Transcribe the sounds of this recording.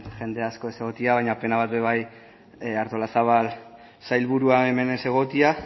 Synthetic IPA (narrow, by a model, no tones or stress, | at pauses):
ʝe̞nd̪e̞asko̞e̞se̞ɣo̞t̪iaβajɲape̞naβat̪̚be̞β̞aj | aɾt̪o̞lasaβal | sajlβuɾuae̞me̞ne̞se̞ɣ̞o̞t̪ia